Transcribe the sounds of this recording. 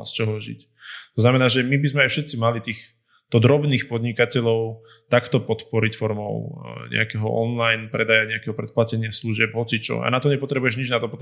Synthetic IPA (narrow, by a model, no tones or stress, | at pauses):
st͡ʃɔɦɔʒḭc | t̪ɔznamɛnaːʒɛmibizmɛajfʃɛt̪t͡simalit̪iːx | d̪̥ɔd̪ɾɔbniːxpɔd̪ɲikacɛʎɔʊ | t̪akt̪ɔpɔt̪pɔɾicfɔɾmɔ̰ʊɲɛ̰akɛɦɔ̰ʔɔnlajnpɾɛd̪ajaɲɛakɛɦɔpɾɛt̪̚placɛɲɪasluʒɪɛbɦɔt͡sit͡ʃɔ̰a̰nat̪ɔɲɛpɔt̪ɾɛbujɛʒɲid͡ʒnat̪ɔpɔt̪